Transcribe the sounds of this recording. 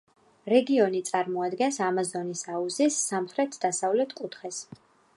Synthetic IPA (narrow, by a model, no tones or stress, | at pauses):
ɾɛɡiɔnit̪sʼaɾmɔad̪ɡɛnsamazɔnisauzisːamχɾɛt̪ʰd̪asavlɛt̪ʰkʼut̪ʰχɛs